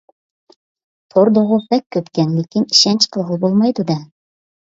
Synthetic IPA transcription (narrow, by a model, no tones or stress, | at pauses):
t̪ʰoɾd̪ŏʁupækːɵpkænlekinɘ̥̆ʃænt͡ɕqɤ̆lˠʁɤbulˠmɑjd̪ud̪æ